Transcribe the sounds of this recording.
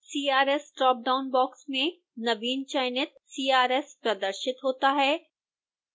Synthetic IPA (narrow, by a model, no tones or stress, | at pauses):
siːaːɾɛsʈɔːp̚ɖaːʊnbɔːksmẽ | nɐʋiːnt͡ʃaɪnɪt̪̚siːaːɾɛːspɾɐd̪əɾʃɪt̪ɦoːt̪aɦɛː